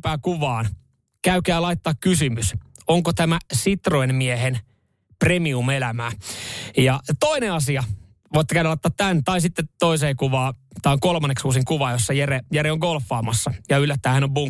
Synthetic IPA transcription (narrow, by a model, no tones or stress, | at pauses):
pæːkuʋɑːn | kæykæːlɑit̪ːɑːkkysymys | oŋkot̪æmæsit̪rojnmiehen | premiumelæmæːjɑt̪oineɑsiɑ | ʋoit̪ːekænːlɑˑit̪ːɑːt̪tænt̪ɑisit̪ːet̪oiseːkuʋɑːt̪ɑoŋkolmɑnːeksuːsiŋkuʋɑːjosːɑjeɾejæɾeoŋɡolfːɑːmɑsːɑjɑylːæt̪ːæːhænobuŋ